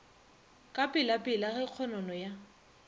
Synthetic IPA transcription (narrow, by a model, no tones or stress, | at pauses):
kʼapʼɪlapʼɪlaɣɛq͡χʰɔnɔnɔja